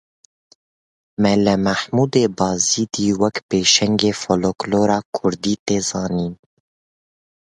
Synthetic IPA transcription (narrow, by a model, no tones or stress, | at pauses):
mɛlɛmæħmuːd̪eːbɑːziːd̪iːwɛkpeːʃɛŋɡeːfolokloːɾɑːkʰʊɾd̪iːt̪eːzɑːniːn